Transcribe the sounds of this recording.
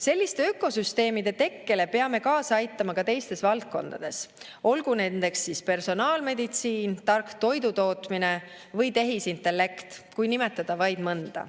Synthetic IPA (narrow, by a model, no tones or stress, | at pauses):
se̞lʲːist̪e̞økːˑo̞syst̪e̞ːmid̪̥e̞t̪e̞kːe̞le̞pe̞ɑme̞kɑːsɑjt̪ˑːɑmɑkɑt̪e̞jst̪e̞svɑlt̪̚ko̞̰nd̪̥ɑ̰d̪̥e̞s | o̞lɡune̞nd̪e̞ksiːspe̞rso̞nɑːlme̞d̪it̪siːnt̪ɑrkt̪o̞jd̪ut̪o̞ːt̪mine̞ | vɤjt̪e̞ɦisint̪ːˑe̞lːe̞kt̪kujnime̞t̪ːˑɑd̪̥ɑvɑjd̪mɤnd̪̥ɑ̰